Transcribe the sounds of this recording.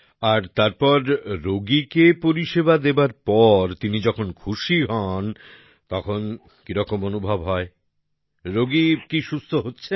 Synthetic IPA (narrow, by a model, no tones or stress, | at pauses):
aɾt̪aɾpɔɾɾoɡikepoɾiʃebad̪ebaɾpɔɾt̪inid͡ʑɔkʰonkʰuʃiɦɔn | t̪ɔkʰon | kiɾɔkomonubʱabɦɔe | ɾoɡikiʃust̪ʰoɦotːɕʰe